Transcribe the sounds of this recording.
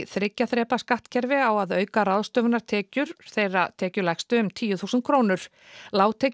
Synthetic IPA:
θɾɪcːaθɾɛːpaskaht̪cʰɛɾvɪawaðœːɥkaɾaðst̪œːvnaɾ̥t̪ʰɛːcʏɾ̥θejrat̪ʰɛːcʏlɛjxst̪ʏʏmt̪ʰiːjʏθuːsʏnt̪̚kʰɾoːwnʏɾ̥ | laːwt̪ʰeːc

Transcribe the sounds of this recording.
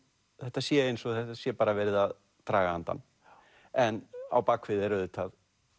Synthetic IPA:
θɛht̪asjɛejnsɔθɛht̪ːasjɛpaːɾavɛɾɪðað | t̪ɾaːɣahant̪a̰nː | ɛna̰wpakʰvɪðɛɾʏðɪt̪ʰað

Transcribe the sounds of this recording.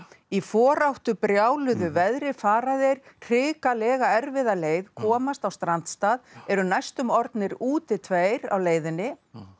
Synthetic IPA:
ifɔːɾawht̪ʏpɾjaːwlʏðʏvɛðɾɪfaːɾaðɪɾ̥r̥ɪːkalɛːɣaɛɾvɪðaleːjðkʰɔːmast̪awst̪ɾant̪st̪aːðɛɾʏnajst̪ʏmɔɾt̪nɪɾuːt̪ɪt̪ʰveːjɾa̰wleːjðɪnːɪ

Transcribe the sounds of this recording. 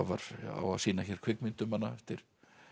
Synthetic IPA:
ava̰ɾ̥a̰wa̰siːnaçɛɾ̥kʰv̥ɪkmɪnt̪ʏmhanːaɛft̪ɪɾ̥

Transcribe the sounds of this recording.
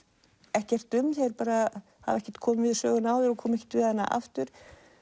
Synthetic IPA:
ɛhcɛr̥t̪ʏmθɛðɛɾpaːɾa | ha̰vɛhcɛ̥ɾ̥t̪kʰɔːmʏvɪðsœ̰ːɣʏnaːwðɛɾɔkʰɔːmɛcɛ̥t̪vɪðɛnːa̰ʔa̰ft̪ʏɾ̥

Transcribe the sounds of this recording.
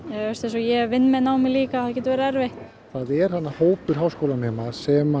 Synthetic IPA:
jaɛɾst̪ɛ̃nsɔjɛvɪnːmɛðnaːwmɪliːkaθaðcɛːnt̪veɾaɛɾveht̪ | θaːðɛɾ̥hanːahoːwpʏɾ̥ɦaːwskowlanɛːmasɛma

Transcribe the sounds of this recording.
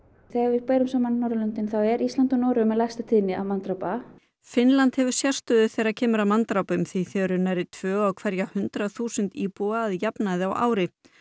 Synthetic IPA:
θɛɣaɾvɪðpeːjɾʏmsaːmannːɔwɾalʏnt̪ɪnθawɛɾist̪lant̪ʏnɔːɾʏmːɛlajst̪at̪ʰɪnːɪa̰mant̪ɾawpa | fɪnlant̪hɛvʏɾ̥sjar̥st̪œðʏθejɾaɾcʰɛːmʏɾamant̪ɾawpʏmθiθɛɾʏnajɾɪt̪ʰvœːɣawkʰv̥ɛɾjahʏnt̪ɾaθuːsʏnt̪iːpuaːðjapnaðɪawʔa̰ːwɾɪ

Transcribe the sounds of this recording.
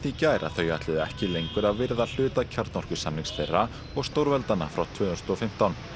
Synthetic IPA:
t̪icaɛɾa̰θœːɥjaht̪lɪðɪɛ̰hcɪlejŋkʏɾaðvɪɾðal̥ʏːt̪acʰaɾt̪nɔr̥kʏ̥samliŋsθejrːa | ɔɣst̪owɾvɛlt̪ana̰fɾawt̪ʰʏːɾ̥t̪ɔfɪm̥t̪awn

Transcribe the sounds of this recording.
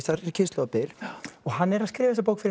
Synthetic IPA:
t̪aɾɛɾcʰɪst̪lɔɣapɪlɔɣanːɛɾaðskɾɪːvaɛs̬apowkfɪɾ

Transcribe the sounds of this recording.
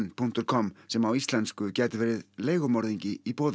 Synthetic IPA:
npʰun̥t̪ʏɾ̥kʰɔmsɛmawist̪lɛnskʏcɛːt̪ɪvɛːɾɪðleːjɣʏmɔɾðiɲcɪipɔːð

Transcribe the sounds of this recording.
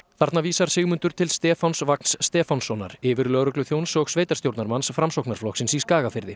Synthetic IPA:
θaɾt̪naviːsaɾ̥sɪːɣmʏnt̪ʏɾt̪ʰɪlst̪ɛːfawnsvakn̥sːt̪ɛːfawnsːɔna̰ɾɪːvɪɾlœɣɾʏklʏθjownsɔɣsveːjt̪ḁst̪jowɾt̪aɾmansfɾamsowknaɾflɔksɪnsiskaːɣafɪɾðɪ

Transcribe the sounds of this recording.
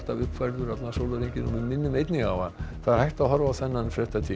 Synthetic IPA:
t̪avʏhpfajɾðʏɾat̪lasowlʏɾiɲcɪnɔ̰vɪðmɪnːʏmejt̪niŋavaðθaðɾ̥hajht̪aðɦɔɾvaθɛnːanfɾɛht̪at̪ʰi

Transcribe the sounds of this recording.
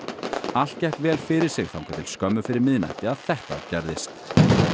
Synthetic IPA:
al̥t̪̚cɛhk̪vɛːlfɪɾɪɾ̥sɪɣθawŋkʰɛt̪ʰɪl̥skœmːʏfɪɾɪɾmɪðna̰jht̪ɪaðθɛht̪a̰cɛɾðɪst̪

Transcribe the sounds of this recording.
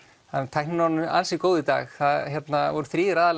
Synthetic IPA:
ant̪ʰajhknɪnɔnʏa̰nsikoːwðɪt̪a̰ːxθaðçjɛt̪navɔɾʏθɾiːðɪɾaːðal

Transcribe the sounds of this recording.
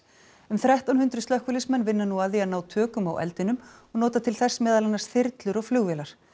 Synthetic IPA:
ʏmθɾajht̪awnhʏnt̪ɾʏst̪œhkvʏlɪsmɛnvɪnːanuaðianaːwt̪ʰœːkʏmawʔɛ̰lt̪ɪnʏmɔɣnɔːt̪at̪ʰɪlθɛsːmɛːðalɛnːasθɪɾt̪lʏɾɔɣflʏːɣvɛːlaɾ̥

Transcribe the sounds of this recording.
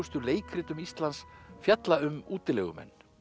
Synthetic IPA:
ʏst̪ʏleːjkʰɾɪːt̪ʏmist̪lansfjat̪laʏmuːt̪ɪlɛ̰ɣʏ̰mɛ̰nː

